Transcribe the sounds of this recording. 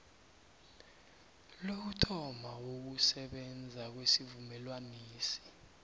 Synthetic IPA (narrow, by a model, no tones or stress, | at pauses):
lok̬utʰɔmawok̬usɛɓɛnd͡zʱak̬wesivumɛlwaniːsi̥